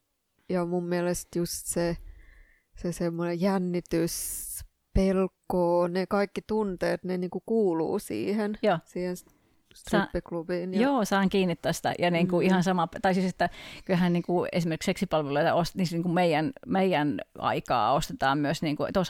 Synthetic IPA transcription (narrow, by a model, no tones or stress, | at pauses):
jɑmummiælest̪just̪se | sesemːonejænːit̪ys | pelkːoːnekɑikːit̪unt̪eːt̪neniːŋkukuːlṵːsḭːhenjoːsiːhens | t̪sɑipːiklubiːnjoːsɑːŋkiːnːit̪ːæːsi̥t̪æ̰jɑniːŋkuihɑnsɑmɑpt̪ɑisiset̪ːækylhænniːŋkuḛsimerkikseksipɑlʋeloit̪ɑ̰osniːsniːŋkummeijænmeijænɑ̰ikɑ̰ːost̪et̪ɑːmmyøsniːŋkut̪os